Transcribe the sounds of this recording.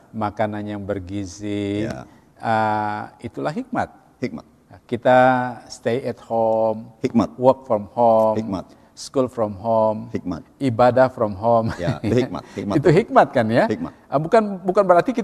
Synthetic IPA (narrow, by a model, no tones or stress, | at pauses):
makananjaŋbərɡizi | əit̪ulaɦik̚ma̰t̪̚ | hi | kit̪ast̪ejɛt̪̚homhiwɔrk̚fɾɔmhom | skulfɾɔmɦomhikibadafɾɔmɦomjj̰it̪uɦik̚mat̪̚kanjaʔəbukanbukanbəɾart̪ikit̪